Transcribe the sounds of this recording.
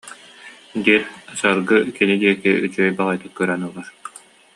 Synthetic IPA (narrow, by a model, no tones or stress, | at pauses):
d̪iːɾsaɾɡɯkinid̪iɛkiyt͡ɕyœjbaʁajt̪ɯt̚kœɾɛnulˠaɾ